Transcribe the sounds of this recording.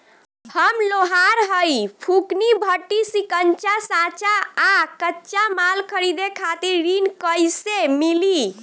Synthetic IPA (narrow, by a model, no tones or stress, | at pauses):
həmloɦaɾɦəjpʰuknibʱəʈːisikənt͡ʃasãt͡ʃaːkətːt͡ʃamalkʰəɾid̪ekʰat̪iɾːinkəjsemili